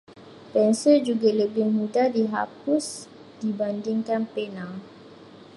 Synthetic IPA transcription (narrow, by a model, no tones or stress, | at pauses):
pɛnsid͡ʒuɡaləbɪŋmudadiɦa̰p̚us | d̥ibandiŋkanpɛnãl